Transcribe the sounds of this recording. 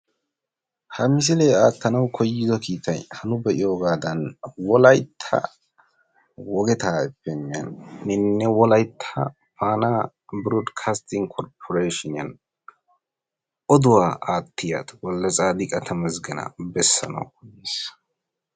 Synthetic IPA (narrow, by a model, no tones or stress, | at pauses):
hɐmɪs̬ɪlɛaːt̪ːɐnɐwkʰɔjːɪzɔkiːt̪ɐjhɐnʊbɛʔɪjoːɡaːd̪ɐnwɔlɐjt̪ʰːɐ̰ | wɔɡɛt̪aːɛbːɛnːɪɐ̰nːɪnːɛwɔlɐjt̪ʰːɐ | paːnaː | bɾoːd̪kʰaːst̪ɪŋɡkʰɔɾpʰɔɾeːʃɪnɪɐ̰n | ʔɔd̪ʊwaːaːt̪ʰːɪja̰ːt̪ɔ̥wɔlːɐt͡sʼaːd̪ɪkʼɐt̪ʰɐmɐzɡɛnɐ̰bɛsːɐ̰nɐ̰wkɔjeːs